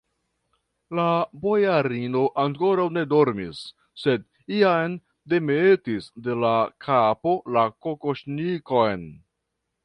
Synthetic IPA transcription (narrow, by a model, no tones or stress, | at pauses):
labo̞jaɾino̞ʔaŋko̞ɾawne̞do̞ɾmḭsː | e̞d | iajn | de̞metisde̞lakʰapo̞lako̞koʃniko̞jn